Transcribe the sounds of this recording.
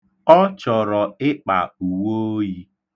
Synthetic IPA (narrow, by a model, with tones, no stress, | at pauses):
ɔ˦t͡ʃɔ˨ɾɔ˨ɪ˦k͡pa̰˨u˨wo˦ji˦